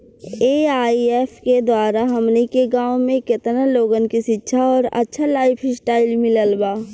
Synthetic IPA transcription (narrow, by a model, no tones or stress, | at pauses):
eːaːieːfʰked̪waːɾaɦɐmnekeɡãːwmẽkɪt̪naloːɡənkiʃɪtːʃʰaɔːɾɐ̰tːʃʰalaːɪpʰɪsʈaːɪlmɪləlbaː